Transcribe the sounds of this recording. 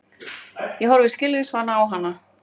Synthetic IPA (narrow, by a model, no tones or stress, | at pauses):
jɛɦɔɾvɪscɪlvɪsvanːaːwɦanːa